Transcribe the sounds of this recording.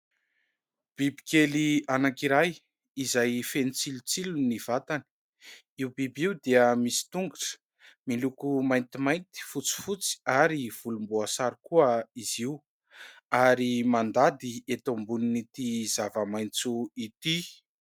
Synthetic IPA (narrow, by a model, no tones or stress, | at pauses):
b̥ibikelianakiɾaj | izajfenit͡silut͡siluniv̥at̪ani̥ | iwbibiwd̪eəmisi̥t̪uŋɡuʈ͡ʂə̥ | milukumajnt̪imajnt̪i̥fut͡si̥fut͡si̥aɾiv̥ulumbuasaɾikuəiziw | aɾimand̪ad̪iet̪ombuninit̪izavəmajnt͡suit̪i